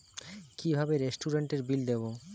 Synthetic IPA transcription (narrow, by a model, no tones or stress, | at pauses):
kibʱabeɾesʈuɾeɳʈeɾbild̪ebo